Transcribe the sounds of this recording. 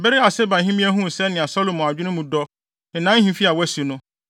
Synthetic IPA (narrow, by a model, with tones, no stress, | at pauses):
bɛ˦ɾi˦a˨sɛ˦ba˨ɦĩ˦mĩ˦ɛ˦ɦũ˦˨sɛ˦nɪ̃˨a˨sɔ˦lo˨mɔ̃˨a˨d͡ʑᶣɪ˦nʊ̃˦mũ˨dɔ˦˨ | nã˦hĩ˦fi˦a˨wɛ˦si˨nʊ̃˦